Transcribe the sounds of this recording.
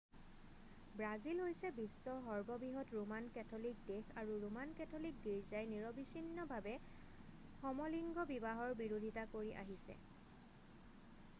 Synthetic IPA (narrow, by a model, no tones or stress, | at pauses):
bɹazilɦojsɛbisːɔɦɔɹbɔbiɦɔtɹumankɛtʰɔlik̚dexaɹuɹumankɛtʰolik̚ɡiɹzajniɹɔbisinːɔbʱabɛ | xɔmɔliŋɡɔbibaɦɔɹbiɹodʱitakoɹiʔa̰ɦisɛ̰